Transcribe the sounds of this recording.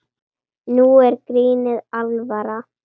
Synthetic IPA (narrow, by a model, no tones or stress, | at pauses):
nuɛɾkɾiːnɪðalvaɾa